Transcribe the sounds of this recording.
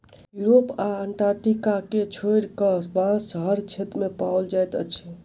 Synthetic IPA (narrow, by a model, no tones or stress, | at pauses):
juɾopaəɳʈaɾʈikaket͡ʃʰoeɾkəsbãsɦəɾt͡ʃʰet̪mepawld͡ʒajt̪ə̰t͡ʃʰɛ